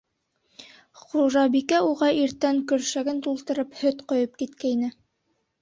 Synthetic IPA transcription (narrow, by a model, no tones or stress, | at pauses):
χuʒɑbikæuʁɑʔiɾt̪æŋkɵ̆ɾʃæɡɘnt̪ulˠt̪ɤ̆ɾɤphɵt̪qŏjɤp̚kit̪kæinɘ